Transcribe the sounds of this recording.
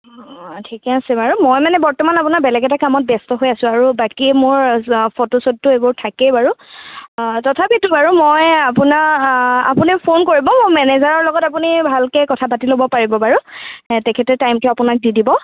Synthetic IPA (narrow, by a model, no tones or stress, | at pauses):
tʰikɛasɛbaɹumojmanɛbɔɹtɔmanapunaɹbɛlɛɡɛtakamɔt̚bɛstɔɦojasʊ̃aɹubakimoɹpʰotosod̚tʊebʊɹtʰakɛbaɹu | tɔtʰapitʊbaɹumojapʊnaa̰punipʰonkoɹibɔmomɛnɛzaɹɔɹlɔɡɔtap̬unibʱalkɛkɔtʰapatilobɔpaɹibɔbaɹutɛkʰɛtɛtajmtʊapʊnak̚didibɔ